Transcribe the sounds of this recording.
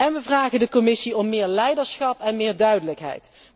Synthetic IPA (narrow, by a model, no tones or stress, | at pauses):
ɛnʋəvraːχəndəkɔmɪsiɔmːɪːɹlɛjdəɹsχɑpɛnmɪːɹdœɥdələkɦɛ̰jt